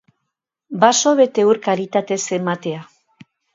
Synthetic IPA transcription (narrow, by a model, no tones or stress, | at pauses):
basoβe̞t̪e̞uɾkaɾit̪at̪e̞se̞mat̪e̞a